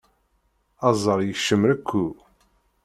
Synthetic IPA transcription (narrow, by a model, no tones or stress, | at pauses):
ɑzˤəɾˤjəʃːəmɾækʷʰːu